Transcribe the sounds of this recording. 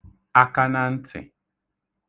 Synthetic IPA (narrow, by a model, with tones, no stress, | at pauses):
a˦ka˦na˦n̩˦tʰɪ̰˨